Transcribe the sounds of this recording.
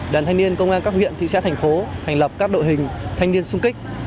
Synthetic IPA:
ɗaː˨˩nt̪ʰa˧jŋni˧ənkə˧wŋ͡mʔaː˧nkaː˦˥k̚hwḭ˧˨ənt̪ḭ˧˨sa̰ː˧˥t̪ʰjŋ̟fo˨˦t̪ʰɛ˨˩jŋ̟lə˨˩p̚kaː˦˥k̚ɗo̰˧˨jɦï˨˩ŋ̟t̪ʰa˧jŋni˧ənsʊ˧ŋ͡mkï˦˥k̟̚

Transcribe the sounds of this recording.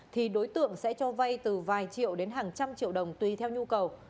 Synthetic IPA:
t̪ʰi˨˩ɗo˨˦jt̪ɨ̰˧˨əŋsɛ̰˧˥t͡ɕɔ˧va˧jt̪ɨ˨˩vaː˨˩jt͡ɕḭ˧˨əwɗe˨˦nɦaː˨˩ŋt͡ɕa˧mt͡ɕḭ˧˨əwɗə˨˩wŋ͡mt̪wi˨˩t̪ʰɛ˧wɲu˧kə˨˩w

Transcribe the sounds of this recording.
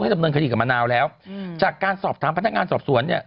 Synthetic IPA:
hjda˧mnɤː˧nkʰdiː˧ka˨˩maː˧naː˧wlɛː˦˥wt͡ɕaː˨˩kːaː˧nsɔː˨˩p̚t̪ʰaː˩˦mpʰna˦˥k̚ŋaː˧nsɔː˨˩p̚su˩˦ənːi˥˩ɐ

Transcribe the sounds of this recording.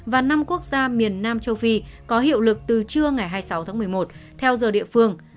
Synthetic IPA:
vaː˨˩na˧mku˦˥ək̚zaː˧mi˨˩ənːaː˧mt͡ɕə˧wfi˧kɔ˨˦ɦḭ˧˨wlɨ˨˩k̚t̪ɨ˨˩t͡ɕɨ˧əŋa˨˩jɦaː˧jsa˨˦wt̪ʰaː˨˦ŋmɨ˨˩əjmo˨˩t̚t̪ʰɛ˧wzəː˨˩ɗḭ˧˨əfɨ˧əŋ

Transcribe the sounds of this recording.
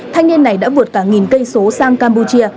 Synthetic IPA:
t̪ʰa˧jŋ̟ɲi˧nːa˨˩jɗa̰ː˧˥vu˨˩ət̚kaː˧˩ŋi˨˩nkə˧jso˨˦saː˧ŋkaː˧mpu˧t͡ɕi˧ə

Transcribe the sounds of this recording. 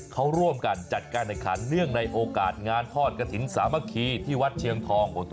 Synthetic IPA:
kʰa˦˥wɾu˥˩əmka˧nt͡ɕa˨˩t̪̚kaː˧nda˨˩kʰa̰˩˦nɾɯ˥˩əŋna˧jʔoː˧kaː˨˩t̪̚ŋaː˧nt̪ʰɔː˥˩t̪̚ka˧t̪ʰi˩˦nsaː˩˦ma˧kʰiː˧t̪ʰiː˥˩wa˦˥t̪̚t͡ɕʰi˧əŋt̪ʰɔː˧ŋbo˨˧˦t̪

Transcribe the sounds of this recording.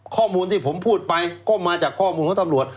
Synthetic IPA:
kʰɔː˥˩muː˧nt̪ʰiː˥˩pʰo˩˦mpʰuː˥˩t̪̚pa˧jkɔː˥˩maː˧t͡ɕaː˨˩kʰːɔː˥˩muː˧nkʰt̪mɾu˨˩ət̪̚

